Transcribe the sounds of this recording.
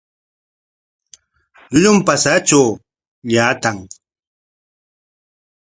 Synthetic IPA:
ʎʊʎʊmpasat͡ʃaw | ʎaːt̪aŋ

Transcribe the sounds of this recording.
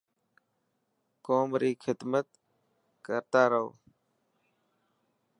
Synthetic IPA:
koːmɾiːkʰɪd̪mət̪ | kəɾt̪aːɾəɦo̰ː

